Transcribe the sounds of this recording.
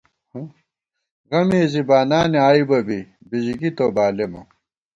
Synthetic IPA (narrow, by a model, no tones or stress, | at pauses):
h | ɣɐmeːzibaːnaːniaːibɐbi | biʑiɡit̪obaːlemɐ̰